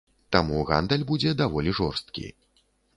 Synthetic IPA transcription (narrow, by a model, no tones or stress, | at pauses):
t̪amuɣa̰nd̪ɐlʲbud͡zʲɛd̪avɔlʲiʐɔrst̪̚kʲḭ